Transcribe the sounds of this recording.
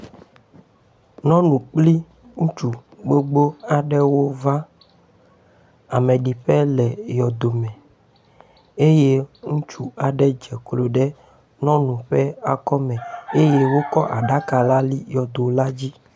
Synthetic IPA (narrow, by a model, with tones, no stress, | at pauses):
nɔ̃˦nũ˨k͡pli˦ | ŋũ˦t͡ʃu˨ɡ͡bo˦ɡ͡bo˦a˨ɖɛ˦wo˦va˦ | a˨mɛ˨ɖi˨ɸɛ˦lɛ˨jɔ˨d̪o˨mɛ̃˨ | e˦je˦ŋũ˦t͡ʃu˦a˨ɖɛ˦d͡ʒɛ˨klo˨ɖɛ˦ | nɔ̃˦nũ˨ɸɛ˦a˨kɔ˦mɛ̃˨e˦je˦wo˦kɔ˦ʔa̰˨ɖa˦ka˨la˦li˦jɔ˨d̪o˨la˦d͡ʑi˦